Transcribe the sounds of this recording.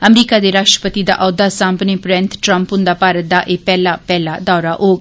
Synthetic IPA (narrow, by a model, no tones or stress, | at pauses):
əmɾiːkaːd̪eːɾaːʃʈɾə̥pət̪id̪a̰ːʔɔːd̪aːsãːmpneːpɾɛ̃ːnt̪ʈɾə̃mpɦʊ̃nd̪aːpaːɾət̪̚d̪aːʔeːpɛːlaːpɛːlaːd̪aːɾaːʔoːɡ